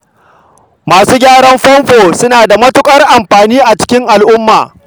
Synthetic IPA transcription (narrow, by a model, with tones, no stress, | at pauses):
maː˨suː˦ɡʲaː˦ɽɐ˦mɸɐ˦mɸoː˨sʊ˦naː˨da˨mɐ˦tʊ˦kʼɐ˦rʔa˨mɸaː˨niː˦ʔa˨t͡ʃɪ̥˦kʲɪ˦ŋʔa˨lʔʊ˦mːaː˨